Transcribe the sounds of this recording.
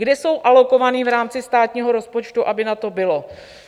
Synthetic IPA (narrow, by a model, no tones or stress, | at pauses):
ɡdɛso̞wʔalo̞ko̞vaniːvɾaːmt͡sɪst̪aːt̪ɲiːɦoɾo̞spo̞t͡ʃt̪uʔabɪnat̪o̞bɪlo̞